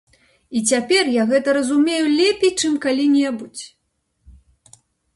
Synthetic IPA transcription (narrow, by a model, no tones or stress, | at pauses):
it͡sʲapʲɛrjaɣɛt̪ɐɾɐzumʲejulʲɛpʲejt͡ʂɨmkalʲinʲɛbut͡sʲ